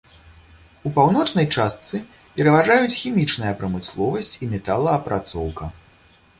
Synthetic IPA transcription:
upawnɔt͡ʂnɐjt͡ʂast̪sɨ | pʲɛɾɐvaʐajut͡sʲxʲimʲit͡ʂn̪ɐjɐpɾɐmɨslˠɔvɐsʲt͡sʲimʲɛt̪alˠɐːpɾʔat̪sɔwkɐ

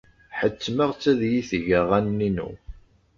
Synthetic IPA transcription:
ħət͡sːməʁt͡sːæðjiθəʝəʁænːinṵ

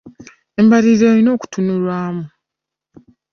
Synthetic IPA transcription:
e̞mbaɾiɾeɾino̞ːku̥tunulwaːmu

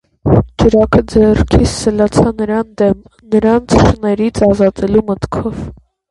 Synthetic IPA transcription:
d͡ʒəɾɑkʰəd͡zɛrkʰisəlɑt͡sʰɑnəɾɑnd̪ɛm | nəɾɑnt͡sʰʃənɛɾit͡sʰɑzɑt̪ɛlumət̪kʰɔv

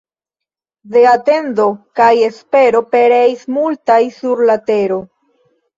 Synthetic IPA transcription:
de̞ate̞ndo̞kaje̞spe̞ɾo̞pe̞ɾeismultajsuɾlate̞ɾo̞

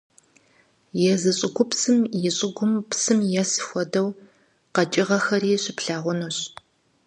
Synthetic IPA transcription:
jɛzɨɕʼɪɡʷʊpsɨmjɪɕʼɪɡʷʊmpsɨmjɛsɨxʷɔdɐw | qɐt͡ʃʼɪʁɐxɐɾiːɕɪpɬaːʁʷʊnoɕ

